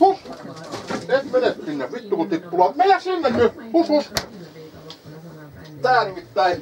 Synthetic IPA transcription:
hus | et̪menet̪sinːeʋit̪ːukut̪ipːulɑˑt̪meijæsimːenːyhusus | t̪æːnimit̪ːæi

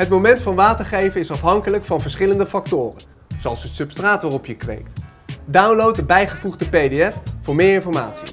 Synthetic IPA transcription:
ɦətmowmɛntfɑnʋaːtəɹχejvənɪsɑfɦɑŋkələkfɑnvəɹsχɪləndəfɑk̚tʊːrən | zoɑlˠsəsɵpstraːtʋaːrɔpjəkʋḛjkt | dawnlowt̚dəbɛjχəvuχdəpejdeɛfvʊːɹmɪːɹɪnfɔɹma̰ːtsi

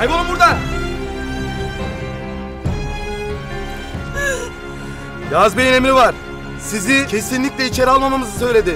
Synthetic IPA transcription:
ajbolˠumbuɾd̪a | jazbejnemiɾivaɾ̥ | sizicʰe̞sinlʲicʲlɛit͡ʃʰe̞ɾialˠmamamɯzɯs̬ø̞jlʲe̞d̪ɪ

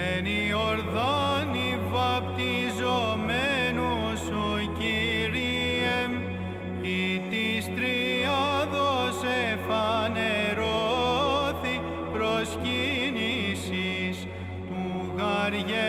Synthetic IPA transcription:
ni | oɾðoni | vɐpt̪izomenu | su | ciɾi | em | it̪ist̪ɾiɐðosefɐneɾo | θi | pɾoscinisis | uɣɐɾʝe

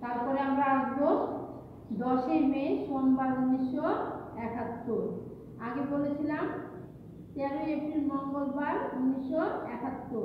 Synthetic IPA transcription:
t̪aɾpɔɾeamɾaaʃbo | d̪ɔʃeɾmejʃɔmbaɾunːiʃoɾɛkʰat̪ːoɾ | aɡebolet͡ɕʰilam | t̪eaɾoɾiepɾilnɔŋɡolbaɾunːiʃoɾɛkʰat̪ːoɾ

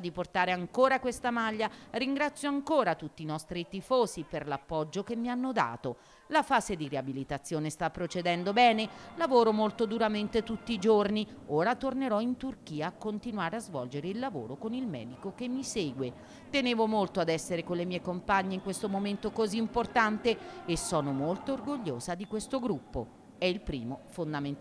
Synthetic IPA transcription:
d̪iport̪aːɾeaŋkoːɾakwest̪amaʎːariŋɡɾat̪sːjoaŋkoːɾat̪ut̪ːinɔst̪ɾit̪ifoːziperlapːɔd͡ʒːokemːianːod̪a̰ːt̪o | lafaːzed̪ireabilit̪at̪sːjoːnest̪apːɾot͡ʃed̪ɛnd̪obɛːnelavoːɾomolt̪od̪uɾament̪et̪ut̪ːiːd͡ʒorni | oːɾat̪orneɾɔint̪urkiːaːkːont̪inwaːɾeazvɔld͡ʒeɾeilːavo̰ːɾokonilmɛ̰ːd̪ikokemːiseːɡwe | t̪eneːvomolt̪oad̪ɛsːeɾekonlemiːekompaɲːeiŋkwest̪omoment̪okoziːmport̪ant̪eesːɔːnomolt̪oːrɡoʎːoːzad̪ikwest̪oɡɾupːo | ɛilpɾḭːmofond̪amen

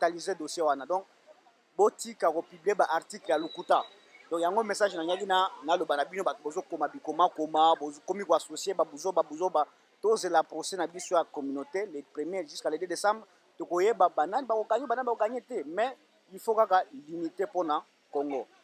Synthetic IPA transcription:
talizedosjewanadɔ̃k̚ | botikakopybliebaʔaʁtiklejalukuta | dɔ̃kjaŋɡomesaʒnaɲakinanalobanabinobatubozokomabikomakomabokomikwasosjebabuzobabozoba | tozelapʁosɛnabisojakɔmynotelepʁemjɛʒyskalededesãmbʁ | tokojebabananibakokaɲebanaokaɲetɛmɛ | ifokakalinitepona | koŋɡo

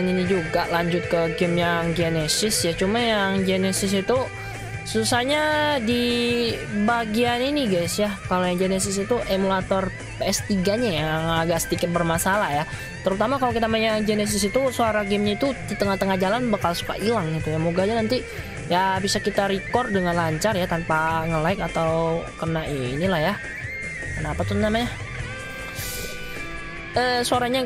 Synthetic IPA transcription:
ninid͡ʒuɡaʔlaɲd͡ʒʊt̪̚kəɡɪmjaŋd͡ʒenɛsɪsjat͡ʃumajaŋd͡ʒenɛsɪs̬it̪u | susahɲadi | baɡianiniɡajsjakalojaŋd͡ʒenɛs̬ɪs̬it̪uʔemulat̪ɔr | peɛst̪iɡaɲajaŋaɡaʔsə̥t̪ikɪt̪̚bərmasalahja | t̪əɾut̪amakalokit̪amaɲad͡ʒenɛs̬ɪsit̪usoaɾaɡɪmɲait̪ud̪it̪əŋaht̪əŋahd͡ʒalanbakalsu̥ka̰ʔilaŋɡit̪ujamuɡaɲanant̪i | jabisakit̪aɾikɔrdəŋanlaɲt͡ʃarjat̪anpaŋəlaɪkat̪awkərənaʔinilahja | kənapat̪unamaɲa | əsoaɾaɲa

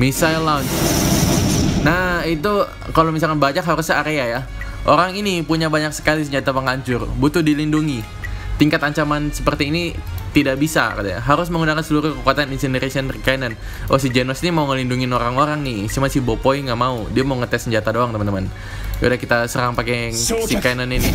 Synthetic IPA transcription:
misajlant͡ʃ | nait̪u | kalomisalkanbaɲakɦaɾusɲaːɾeaja | ʔoɾaŋinipuɲabaɲak̚sə̥kalis̬əɲd͡ʒat̪apəŋaɲt͡ʃʊrbut̪ʊdilinduŋi | t̪iŋkat̪aɲt͡ʃamansəpərt̪iːnit̪idaʔbisa̰kat̪a̰ɲa̰ɦaɾʊs̬məŋunakansəluɾʊkəkuat̪aninsinəɾasianrikainan | osid͡ʒenɔsnimauŋəlinduŋɪnoɾaŋoɾaŋnɪsimasibopoiŋɡamaudiamauŋət̪ɛsəɲd͡ʒat̪adoaŋt̪əmənt̪əman̰ | udakit̪asəɾaŋpakɛsikainanini

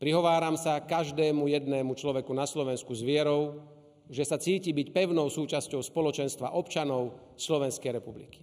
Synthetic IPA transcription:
pɾiɦɔʋaːɾamsakaʒd̪ɛːmujɛd̪nɛːmut͡ʃlɔʋɛkunaslɔʋɛnskuzʋɪɛɾɔʊ | ʒɛsat͡siːcibicpɛʊnɔʊsuːt͡ʃascɔʊspɔlɔt͡ʃɛnst̪ʋa̰ʔɔpt͡ʃanɔʊ | slɔʋɛnskɛjɾɛpublḭki̥

